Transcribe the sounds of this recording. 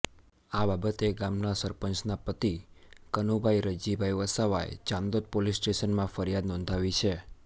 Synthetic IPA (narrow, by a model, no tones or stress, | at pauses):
ababət̪eɡamnasəɾpəɲt͡ʃnapət̪ikənubʱaiɾəd͡ʒibʱajʋəsaʋa̰ḛd͡ʒãnd̪ot̪̚polisːʈeʃənmãfəɾijad̪nɔ̃nd̪ʱaʋit͡ʃʰe